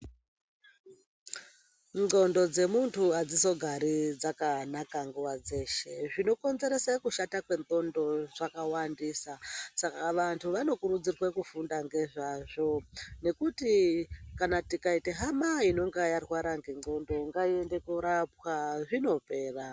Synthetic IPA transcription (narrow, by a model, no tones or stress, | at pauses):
no̞ndo̞d͡ze̞muntʰuad͡ziso̞ɡʱaɾid͡zakanakaŋɡuwad͡ze̞ːʃe̞ʐino̞ko̞nze̞ɾesakuʃatakwe̞nt̪o̞ndo̞ʐakawandisasakaʋantʰuʋano̞kuɾud͡zirwekufundaŋɡe̞ʐaʐo̞ne̞kutikanatikaite̞ɦamaino̞ŋɡajarwaɾaŋɡe̞ŋo̞ndo̞ŋɡaiende̞kuɾap̚waʐino̞pe̞ːra